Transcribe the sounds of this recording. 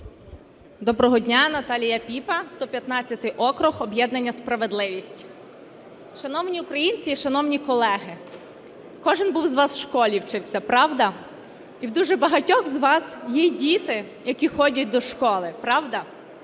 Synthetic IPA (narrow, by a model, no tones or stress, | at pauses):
d̪ɔbɾɔɦɔdʲnʲanɐt̪ɑlʲijɐpʲipɐst̪ɔpʲjɐt̪nɑt͡sʲːɐt̪ɪʔɔkɾʊxɔbjɛd̪nɐnʲːɐspɾɐʋed̪lˠɪʋʲisʲtʲ | ʃɐnɔwnʲiʊkɾɐjinʲt͡sʲiːʃɐnɔwnʲikɔlˠɛɦɪ | kɔʒɪnbuwzʋɑsʃkɔlʲiwt͡ʃɪwsʲɐpɾɑwd̪ɐ | iwd̪uʒɛbɐɦɐtʲɔxzʋɑsjɛdʲit̪ɪ | jɐkʲixɔdʲɐt̚ʲd̪ɔʃkɔlˠɪpɾɑwd̪ɐ